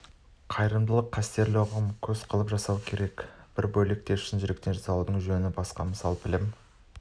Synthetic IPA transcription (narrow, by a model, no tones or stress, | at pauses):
qʰɑjɾəmd̪əlˠəqʰːæst̪e̞ɾlɪoʁəmkʲʰɵz̥qʰəlˠəpʒɑsɑwkʲʰe̞ɾe̞kb̥ɪɾbɵle̞k̚t̪e̞ɾɪʃɪnʒɪɾekt̪e̞nʒɑsɑlˠud̪əɴʒɵnɪbɑsqɑ̰mɪsɑlˠbɪlem